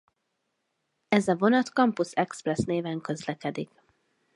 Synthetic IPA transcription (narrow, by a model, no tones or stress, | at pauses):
ɛzɒvo̞nɒt̪kɒmpusɛksprɛsneːvɛŋkø̞zlɛkɛd̪ik